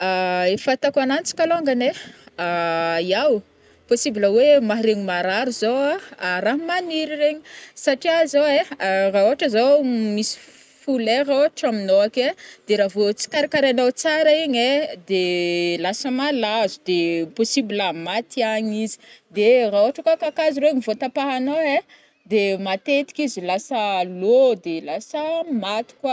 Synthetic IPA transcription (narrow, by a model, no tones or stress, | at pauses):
aefat̪akanant͡si̥kaloŋɡaneajaw | posibiləwemaɦɾeɲimaɾaɾuzoaɾaɦmaniɾiɾeɲisaʈ͡ʂiazoeraoaʈ͡ʂəzomisi̥ | fuleɾoʈ͡ʂaminoaked̪̥eɾavot͡si̥kaɾakaɾanawt͡saɾaiɲed̪elasəmalazud̪eposibiləmat̪iaɲizi̥d̪eraoaʈ͡ʂəkwakakaziɾeɲivot̪apaɦanawe | d̪emat̪et̪i̥kizilasəlod̪elasəmat̪i̥kwa